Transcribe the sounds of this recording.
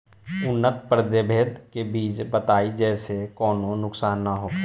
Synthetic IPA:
ʊnːət̪pəɾd̪ebʱeːt̪kebiːt͡ʃbət̪aːid͡ʒɛːsekɔːnonʊksaːnːəɦoː

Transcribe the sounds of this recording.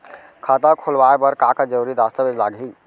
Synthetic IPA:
kʰat̪akʰulʋaebəɾkakad͡ʒəuɾid̪ast̪əbed͡ʒlaɡɦi

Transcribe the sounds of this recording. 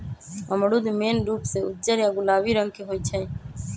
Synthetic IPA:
əmɽuːd̪meːnɾuːpseʊd͡ʒəɾjaɡʊlaːʋiɾəŋɡ̚keɦoːit͡ʃʰɛ̃ː

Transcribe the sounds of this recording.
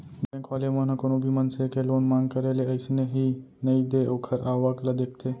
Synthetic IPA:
bɛ̃ːŋkʰʋaːlemaːnãkoːnõbʱimɐnsekeloːnmãːŋɡkɐɾeleɐɪsneɦinɐid̪eoːkʰəɾaːʋaklɐd̪eːk̚ʰt̪ʰeː

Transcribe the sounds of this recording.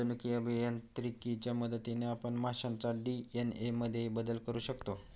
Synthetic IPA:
ənəkiəbʱejant̪ɾikit͡ɕjaməd̪ət̪ineapəɳmaɕãnt͡saɖieneməd̪ʱjebəd̪əlkəɾuːɕəkt̪o

